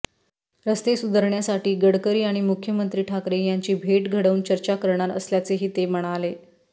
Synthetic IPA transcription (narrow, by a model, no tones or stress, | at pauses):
ɾəst̪esud̪ʱəɾɳjasaʈiːɡəɽkəɾiːaɽ̃imukʰjəmənt̪ɾiːʈʰakɾejaɲt͡ɕiːbʱeʈɡʱəɽəunt͡ɕəɾt͡ɕakəɾɳ̃aɾə̰sljat͡seɦiːt̪eməɽ̃ale